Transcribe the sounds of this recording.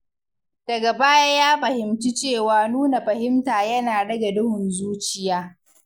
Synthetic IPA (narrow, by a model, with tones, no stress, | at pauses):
d̥ɐ˨ɡa˨baː˦jaː˦jaː˦ɸɐ˨hɪ˨mti˦t͡ʃeː˦˨waː˨nuː˦na˨ɸɐ˨hɪ˦mtaː˨jɐ˦naː˨ɽɐ˦ɡa˨dʊ˦hʊ˨nzuː˦t͡ʃɪ˨jaː˦